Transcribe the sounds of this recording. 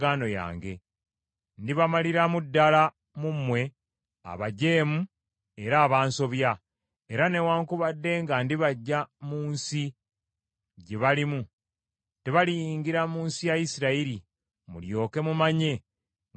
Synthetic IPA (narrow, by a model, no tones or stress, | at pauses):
ɡaːno̞ja̰ːŋɡe̞ | ndiβamaliɾamudːala | mumwe̞ | a̰βaɟe̞ːmu | e̞ɾaːβaːnso̞βja | eɾane̞waːŋkuβadːe̞ːŋɡandiβaɟːamuːnsi | ɟeβalimu | teβalijiːŋɡiɾamuːnsijajisiɾaiɾi | mṵljo̞ːke̞mumaɲe̞